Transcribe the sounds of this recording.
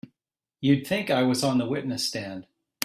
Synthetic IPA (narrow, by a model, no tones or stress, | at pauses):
jɨd̪̚θɪ̃ŋkaɪwʌzn̩ðəwɪʔⁿnɨstæ̃nd̥